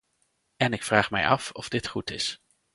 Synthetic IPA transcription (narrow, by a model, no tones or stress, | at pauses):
ɛnɪkfraːχmɛ̰jɑ̰fɔv̥dɪtχutɪ̰s